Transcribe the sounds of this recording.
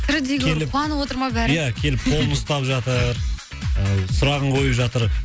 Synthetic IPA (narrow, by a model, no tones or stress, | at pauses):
t̪ʰʏɾd̪eɡʲelɪp̪ˠɑnwo̞t̪əɾmɑbæɾjækʲʰe̞lɪp̚qʰo̞lˠənʊst̪ɑpʒɑt̪əɾ | əsʊɾɑʁəɴqʰo̞jəpʒɑt̪əɾ